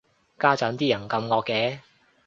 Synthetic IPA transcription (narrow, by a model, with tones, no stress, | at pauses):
kaː˥t͡sɐ˨˥nt̪iː˥jɐ˨˩nkɐ˧mŋɔː˧kːɛː˧˥